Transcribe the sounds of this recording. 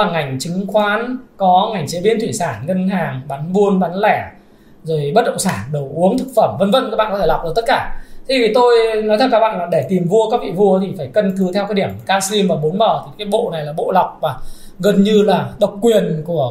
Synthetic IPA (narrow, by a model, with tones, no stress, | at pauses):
aː˨˩ŋa˨˩jŋ̟t͡ɕɨ˨˦ŋxwaː˨˦nkɔ˨˦ŋa˨˩jŋ̟t͡ɕe˨˦ɓi˧ənt̪ʰwi˧˩saː˧˩nŋə˧nɦaː˨˩ŋɓa˨˦nvu˧ənɓa˨˦nlɛ˧˩ | zo˨˩jɓə˦˥t̚ɗə̰˧˨ŋ͡msaː˧˩nɗə˨˩wʔu˨˦əŋt̪ʰɨ˨˩k̚fə˧˩mvə˧nvə̰˧nkaː˧˦˥ɓa̰ː˧˨kɔ˨˧t̪ʰla˨˩wk͡p̚ɗə˧˩t̪ə˦˥t̚kaː˧˩t̪ʰi˨˧˩vi˨˩t̪o˧jnɔ˨˦t̪ʰa˧˩kaː˦˥k̚ɓa̰ː˧˨nlaː˨˩ɗe˧˩t̪i˨˩mvu˧əkaː˦˥ḭ˧˨vu˧ət̪ʰi˨˩faː˧˩jkə˧nkɨ˨˦t̪ʰɛ˧wka˨˦ɗi˧˩əm˨˩kaː˧sli˧mːaː˨˩mo˨˦nməː˧˩t̪ʰi˨˩kaː˨˦jɓo̰˧˨na˨˩jlaː˨˩ɓo̰˧˨la˨˩wk͡p̚vaː˨˩ | ɣə˨˩nɲɨ˧laː˨˩ɗə˨˩wk͡p̚kwi˨˩ənku˧˩ə